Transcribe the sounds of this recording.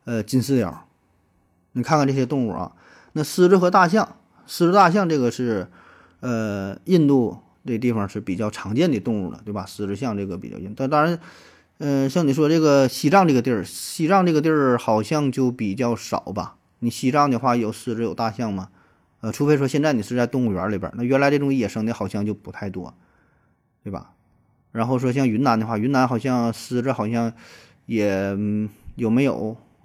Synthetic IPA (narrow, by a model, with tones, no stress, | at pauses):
ə˧t͡ɕi˥nsɹ̩˥˧ljɑ̰˨˩˥ | ni˨˩kʰa˥˧nkʰa˥˧nʈ͡ʂɕjɛ˥t̪ʊ˥˧ŋɻṵ˥˩ɐ̰˩ | na˥˩sɹ̩˥˧ʈ͡ʂɻ̩˥xɤ˧˥t̪a˥˧ɕjɑ˥˩ŋ | sɹ̩˥˧ɻ̩˥t̪a˥˧ɕ̬jɑ˥˧ŋʈ͡ʂɤ˥˩ɡə˩ʂɻ̩˥˩ | ə˧i˥˧nt̪u˥˩ | nə˧t̪i˥˩fɑ˨˩ʂɻ̩˥˩pi˨˩t͡ɕjɑ˥˩ʊʈ͡ʂʰɑ˧˥ŋt͡ɕjɛ˥˩nd̪ə˩t̪ʊ˥˧ŋṵ˥˩d̪ə̰˩t̪we˥˩bɐ˩sɹ̩˧ʈ͡ʂɻ̩˥˧ɕjɑ˥˧ŋʈ͡ʂɤ˥˩ɡə˩pi˨˩t͡ɕjɑ̰˥˧˥t̪ɑ˥ɻa˧˥n | ə˧ɕjɑ˥˧ŋni˨˩ʂwɔ˥ʈ͡ʂɤ˥˩ɡə˩ɕi˧˥ʈ͡ʂɑ˥˧ŋʈ͡ʂɤ˥˩ɡə˩t̪ji˥˩˧ɕi˧˥˩ʈ͡ʂɑ˥˧ŋʈ͡ʂɤ˥˩ɡə˧ji˥˧˥xɑ˨˩ʊɕjɑ˥˧ŋt͡ɕjo˥˩ʊpi˨˩t͡ɕjɑ˥˩ʊʂɑ̰˨˩˦ʊbɐ̰˧ | ni˨˩ɕi˧˥ʈ͡ʂɑ˥˩ŋd̪ə˧˩xwa˥˩jo˨˩ʊsɹ̩˧˥ʈ͡ʂɻ̩˥jo˨˩ʊt̪a˥˧ɕjɑ˥˩ŋmɐ˩ | ə˧ʈ͡ʂʰu˧˥pe˥˩ʂ̬wɔ˥ɕjɛ˥˧nt͡sa˥˩ni˨˩ʂɹ̩˧˥t͡st̪ʊ˥˧ŋu˩ɥə̰˧˥li˧˥bə̰˨˧˦na˥˩ɥɛ˧˥nla˧˥ʈ͡ʂɤ˥˩ʈ͡ʂʊ˨˩ŋi˥˩jɛ˨˩ʂɤ˥ŋə˧˥xɑ˨˩ʊɕjɑ˥˧ŋt͡ɕjo˥˩ʊpu̥˧˥t̪ʰa˥˩ɪt̪wɔ̰˥ | t̪we˥˩ɪbɐ̰˩ | ɻa˧˥nxo˥˩ʊʂ̬wɔ˥ɕ̬jɑ˥˧ŋy˧˥na˧˥nd̪ə˧xwa˥˩ɥy˧˥na˧˥nxɑ˨˩ʊɕjɑ˥˧ŋsɹ̩˧˥ʈ͡ʂ̩˧˥xɑ˨˩ʊɕjɑ˥˧ŋ | jɛ˨˩˦ | jo˨˩ʊme˧˥ɪjo̰˨˩˦ʊ